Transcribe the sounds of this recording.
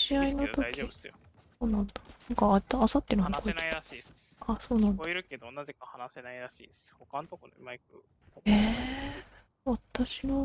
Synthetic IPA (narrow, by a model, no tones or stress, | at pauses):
ɕiainot̪o̞kʲio | soːnãnd̪̥anãŋkat̪ːaːsat̪ːeɾɯhkoit̪i̥iaso̞ːnãniɾɯ̟ke̞d̪onaze̞kahanasenaiɾaɕḭːshokãnt̪okonomaik̚ɯ | e | βat̪aɕino